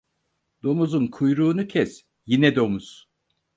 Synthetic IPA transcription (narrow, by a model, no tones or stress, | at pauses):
d̪̥o̞muzunkʰujɾuːnucʰɛs | jinɛd̪o̞muz̥